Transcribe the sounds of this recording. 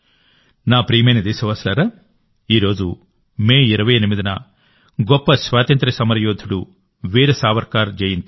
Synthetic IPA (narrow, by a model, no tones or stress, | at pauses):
naːpɾiːmɐjnɐd̪eːsɐʋɐslɐɾa | iːɾo̞ːd͡ʒu | meːiɾɐʋɐjenimid̪inɐ | ɡɔpːɐsʋaːt̪ɐnt̪ɾɐsɐmɐɾɐjoːd̪ʰʱuɽu | ʋiːɾɐsaːʋɐɾkaːɾd͡ʒejint̪i